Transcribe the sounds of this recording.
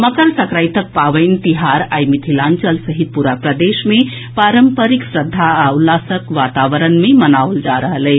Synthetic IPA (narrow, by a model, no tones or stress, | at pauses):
məkəɾsəkɾajt̪ək̚paʋəɪnt̪iɦaɾajmit̪ʰilant͡ʃəlsəɦit̪̚puɾapɾəd̪esme | paɾəmpəɾiksɾəd̪ʱːaaulːasəkʋat̪aʋəɾənmemənawld͡ʒaɾəɦələɪ